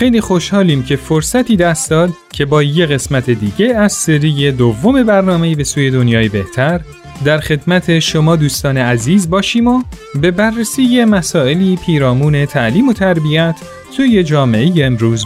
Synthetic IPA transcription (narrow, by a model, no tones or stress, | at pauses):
xe̞jliːxo̞ʃhɒːliːmcʰe̞foɾsæt̪ʰiːd̪æst̪d̪ɒːd̪ | cʰe̞bɒːje̞ɣe̞smæt̪ʰe̞d̪iːɟe̞æzseɾiːje̞d̪ovːome̞bæɾnɒːme̞jiːbe̞suːje̞d̪o̞njɒːjebe̞ht̪ʰæɾ | d̪æɾxe̞d̪mæt̪ʰe̞ʃo̞mɒːd̪uːst̪ɒːneæziːzbɒːʃiːmo | be̞bærːesiːje̞mæsɒːe̞liːpʰiːɾɒːmuːne̞t̪ʰæʔliːmo̞t̪ʰæɾbiæt̪ʰ | suːje̞d͡ʒɒːme̞ʔejeːmɾuːz